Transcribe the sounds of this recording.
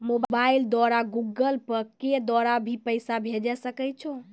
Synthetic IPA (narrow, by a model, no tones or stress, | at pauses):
mobbaild̪ɔɾaɡuɡəlpəɾked̪wɔɾabʱipəjsabʱed͡ʒɛsəkɛt͡ʃʰo